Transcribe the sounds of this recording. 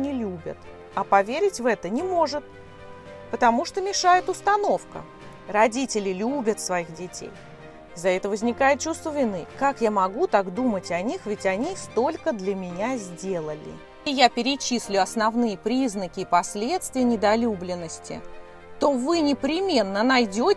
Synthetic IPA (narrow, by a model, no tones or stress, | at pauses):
nʲɪlʲubʲə̰t̪ | ɐpɐvʲeɾʲɪtʲvɛt̪ənʲɪmo̞ʐɨt̪̚ | pət̪ɐmuʂt̪omʲɪʂajɪt̪ʊst̪ɐno̞fkə̰ | rɐdʲitʲɪlʲɪlʲubʲət̪svɐixdʲɪtʲḛj | zɐɛt̪əvəzʲnʲɪkajɪt̪̚t͡ɕust̪vəvʲɪnɨkakjamɐɡut̪akd̪umətʲɐnʲixvʲɪtʲɐnʲist̪o̞lʲkəd̪lʲəmʲɪnʲazʲdʲe̞lˠəlʲɪ̰ | japʲɪɾʲɪt͡ɕisʲlʲʊɐsnɐvnɨjəpɾʲiznəkʲɪːpɐsʲlʲe̞t̪st̪vʲɪjənʲɪd̪ɐlʲublʲɪnːəsʲtʲɪ̰ | t̪o̞vɨnʲɪpɾʲɪmʲe̞nːənɐjdʲo